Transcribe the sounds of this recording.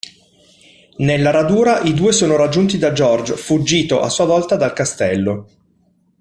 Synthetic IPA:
nelːaɾad̪uːɾaʔid̪uːesoːnoɾad͡ʒːunt̪id̪ad͡ʒɔrd͡ʒfud͡ʒːiːt̪oʔasːuːavɔlt̪ad̪alkast̪ɛlːo

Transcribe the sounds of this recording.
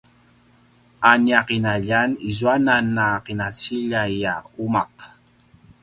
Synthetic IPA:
anjaqinaʎanizuananːaqinat͡siʎajaumaq

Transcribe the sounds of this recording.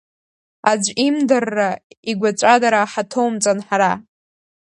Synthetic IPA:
ad͡ʒʷimdarːaiɡʷat͡ʃʷʼadaɾaːħatʰowmt͡sʼanħaɾa

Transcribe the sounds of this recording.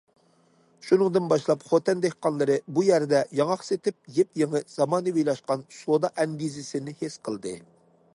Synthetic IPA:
ʃunɨŋd̪ɨnbɑʃlˠɑpχot̪ɛnd̪ehqɑnlˠɨɾɨbujæɾd̪ɛjɑŋɑχset̪ɪp̚jep̚jeŋəz̥ɑmɑːnɨvijlˠɑʃqɑnsod̪ɑʔɛnɡ̪izɪsɪnɪhesqʰəlˠd̪ɨ

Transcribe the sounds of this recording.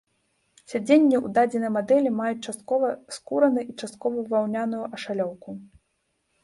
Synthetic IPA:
sʲad͡zʲenʲːiṵd̪ad͡zʲɛnɐjmad̪ɛlʲimajut͡sʲt͡ʂast̪̚kɔvɐskuɾɐnɨʔit͡ʂast̪̚kɔvɐvawnʲanujuʔɐʂalʲɔwku

